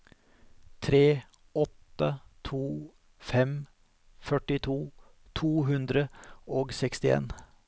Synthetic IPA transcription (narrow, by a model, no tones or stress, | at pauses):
t̪ʰɾeː | ɔt̪ːət̪ʰuː | fɛm | fœʈɪt̪ʰuː | t̪ʰuːɦʉnd̪ɾəoːɡsɛkst̪ɪḛːn